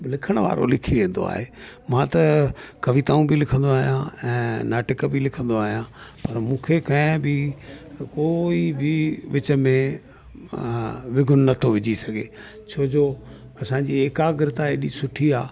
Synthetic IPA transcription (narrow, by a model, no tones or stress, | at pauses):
lɪkʰəɽ̃ʋa̰ːɾo̰lɪkʰiʋẽːn̆d̪o̰a̰ːɦeːmãt̪ɐkɐʋit̪aːũbʱilɪkʰə̃nd̪oaːɦijãɛ̃ːnaːʈɪkbʱilɪkʰə̃nd̪oaːɦijãːpɐɾmũːkʰekɐ̃ɪ̃bʱɪ | koːibʱiʋɪt͡ɕəmẽ | ʋɪɡʱʊnːɐt̪ʰoʋɪd͡ʑisɐɡʱeː | t͡ɕʰoːd͡ʑoː | ɐsãːɲd͡ʑieːkaɡɾɪt̪aeɗisʊʈʰiaː